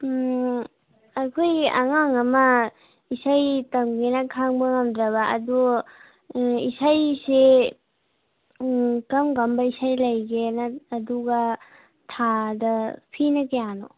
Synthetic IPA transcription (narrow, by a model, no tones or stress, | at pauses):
ɐkʰoja̰ŋaŋɐmɐ | isajtɐmɡenɐkʰaŋbɐŋɐmdɾɐβaːdu | isajse | kɐmɡɐmbɐisajlɐjɡenaːduɡɐ | tʰadɐpʰinɐkejano̰